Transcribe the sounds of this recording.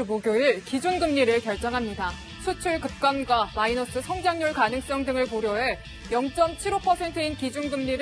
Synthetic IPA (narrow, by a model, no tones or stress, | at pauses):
moɡjoɯɭkid͡ʑunɡɯmɲiɾɯɭkjʌɭt͡ɕ͈ʌŋɦamɲida | t͡ɕʰut͡ɕʰuɭkɯp̚k͈anɡwamainʌs͈ɯsʰʌŋd͡ʑaŋɲuɭkanɯŋs͈ʌŋdɯŋɯɭkoɾjʌɦe̞ | jʌŋt͡ɕ͈ʌmt͡ɕʰiɾopʰʌsʰe̞ntʰɯinkid͡ʑunɡɯmɲiɾ